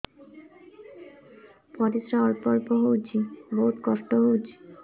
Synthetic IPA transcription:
pɔɾisɾaɔɾpɔɾpɔɦowd͡ʑʰiboɦut̪kɔʃʈoɦowd͡ʑʰi

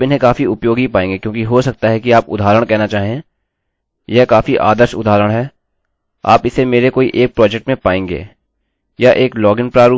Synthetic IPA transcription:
ɪnɦẽkaːfiʊpjoːɡɦipaːẽːŋɡekjõːkiɦosɐk̚t̪aɦɛkiaːpʊ̰d̪ʱaːɾəɽ̃kɛɦnat͡ʃaːɦiẽː | jɛɦkaːfiʔa̰ːd̪əɾʃʊd̪ʱaːɾəɽ̃ɦɛː | a̰ːpɪsemeːɾekoːiʔeːk̚pɾɔːd͡ʒɛk̚ʈmẽpaːẽːŋɡḛː | jaʔeːklɔːɡɪnpɾaːɾuː

